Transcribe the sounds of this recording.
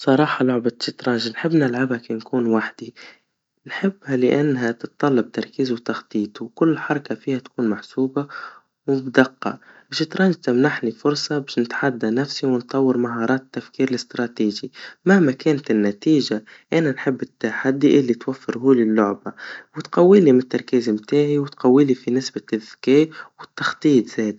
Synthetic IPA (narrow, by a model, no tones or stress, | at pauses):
sˤɑɾˤɑːħɑlʊʕbaʃɪt̪ɾˤɑːnʒnħɪbːnɪlʕabhakankuːnwaħd̪̥i | nħɪbːhalɪʔanːɦat̪ɪt̪t̪ˤːɑlːɑb̚t̪ɑɾˤkiːzwt̪ɑxt̪ˤiːt̪ˤuwkʊlːħɑɾˤɑkafiːhat̪ḁkuːnmaħsuːba | wbd̪aqːɑ̰bɪʃɪt̪ɾˤɑːnɪt̪amnaħnifʊɾˤsˤɑbaːʃnɪt̪ħad̪ːanafsiwɪnt̪ˤɑwːəɾmaɦɑːɾˤɑːt̪t̪ːafkiːɾɪlɪst̪ɾˤɑt̪iːʒimahmakɛːnt̪ɪnːat̪iːʒaʔananħɪbːɪt̪ːaħad̪ːiʔɪlːit̪wafːɪɾɦuːlilːʊʕbawɪt̪qawːiːlimɪnt̪ːɑɾˤkiːzɪmt̪aːʕiwɪt̪qawːiːlifinɪsbaɪðkeːʔwɪt̪ːɑxt̪ˤiːt̪z̥eːd̪